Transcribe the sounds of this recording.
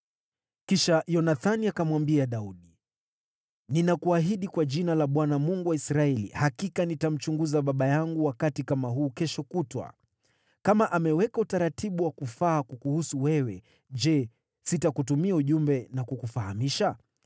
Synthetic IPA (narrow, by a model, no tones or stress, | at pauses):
kiʃajɔnaθaniakamwambiaɗauɗi | ninakuaɦiɗikwaʄinalaɓwanamuŋɡuwaisɾaɛlḭhakikanitam̩t͡ʃuŋɡuzaɓaɓajaŋɡuwakatikamaɦuːkɛʃɔkutwa̰ | kamaʔamɛwɛkautaɾatiɓuwakufaːkukuhusuwɛwɛ | ʄd͡ʒɛ | sitakutumiauʄumbɛnakukufahamiʃa